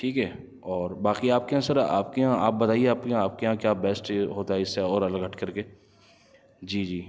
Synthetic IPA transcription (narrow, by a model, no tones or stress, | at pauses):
ʈʰiːkɦɛː | ɔːɾbaːkiaːp̚keɦãsɐɾa̰ːp̚keɦãa̰ːp̚bɐt̪aːieaːp̚keɦãaːp̚keɦãːkjaːbɛːsʈɦoːt̪aɦɛɪsɛɔːɾɐləɡɦɐʈʰkɐɾkeː | d͡ʒiːd͡ʒiː